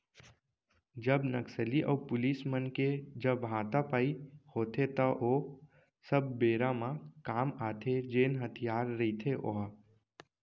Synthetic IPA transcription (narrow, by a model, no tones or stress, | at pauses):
d͡ʒɐbnəksəliʔɔ̰ːpʊliːsmənked͡ʒɐbɦãːt̪apaːihoːt̪et̪ɐʔoː | səb̚ːeːɾãmãkaːmaːt̪ʰed͡ʒeːnɦət̪ʰijaːɾːɐit̪ʰeʔo̰ɦa